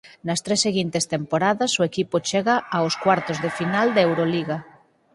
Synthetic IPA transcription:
nast̪ɾesːeɣ̞int̪est̪empoɾaðasoekipot͡ʃeɣaːoskwaɾt̪ozðefinald̪ewɾoliɣa

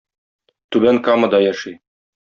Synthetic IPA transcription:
t̪ʉbæŋkamɤ̆d̪ɑjæʃi

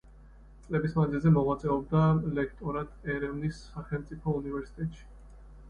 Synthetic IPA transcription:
t̪sʼlɛbismad̪zilˠzɛmɔʁwat̪sʼɛɔb̚d̪alɛkʰt̪ʼɔɾad̪ɛɾɛvnisːaχɛlˠmt̪sʼipʰɔunivɛɾsi̥t̪ʼɛt̪ʼʃi̥

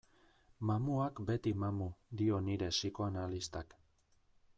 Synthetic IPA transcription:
mamuakbe̞t̪imamud̪io̞niɾe̞siko̞analist̪ak

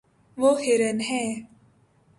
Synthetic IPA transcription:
ʋoheɾənɦɛ̃ː

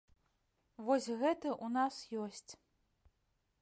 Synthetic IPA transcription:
vɔsʲɣɛt̪ɐʔunasjɔsʲt͡sʲ

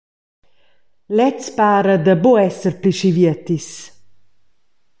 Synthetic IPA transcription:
lɛt͡spaːɾəd̪aboɛsəɾpliʃiviət̪is

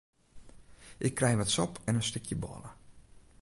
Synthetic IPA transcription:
ʔɪkːrɛjʋatsɔpʰɛnənstɪkʰjəbɔ̰lə

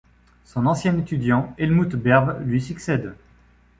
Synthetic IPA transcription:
sɔ̃nɑ̃sjɛ̃net̪yd̪jɑ̃ɛlmut̪bɛʁvlɥisyksɛd̪

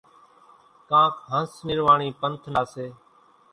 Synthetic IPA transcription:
kãːkɦə̃snɪɾʋaːɳiːpənt̪ʰnaːseː

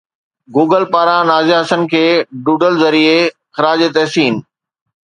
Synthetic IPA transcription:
ɡuːɡəlpaːɾãnaːziaɦɐsən̆kʰeːɖuːɖəlzɐɾie | xɪɾaːd͡ʑet̪ɛɦsiːn

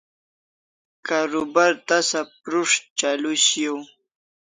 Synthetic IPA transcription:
kaɾʊbaɾt̪asap̚ɾʊʂt͡ʃalʊsjaw

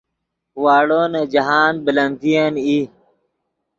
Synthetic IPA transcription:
waːɽoːned͡ʑɐɦaːnbilɐnd̪ijani

